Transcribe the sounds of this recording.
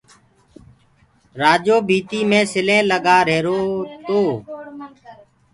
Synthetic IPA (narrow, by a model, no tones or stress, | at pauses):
ɾaːd͡ʒoːbʱiːt̪iːmẽːsɪlẽːləɡaːɾeːɾoːt̪oː